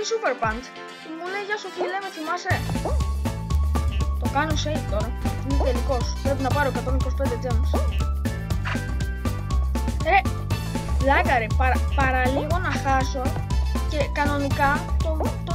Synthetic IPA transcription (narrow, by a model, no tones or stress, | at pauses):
isupeɾpɐns | mulejʝɐsoθilemeθimɐse | t̪okɐnosejkoɾnit̪eliko̞spɾepinɐpɐɾoekɐt̪onikospend̪ed͡ʒems | e | lɐɣɐɾipɐɾɐpɐɾɐliɣo̞nɐxɐso | ce̞kɐno̞nikɐt̪ot̪o